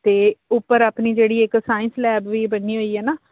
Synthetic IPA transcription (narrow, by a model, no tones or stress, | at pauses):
t̪eːʊpːəɾaːpniːd͡ʒeːɽiːɪksaːɪ̃nslɛːbʋiːbənːiːɦoːiːɛːnaː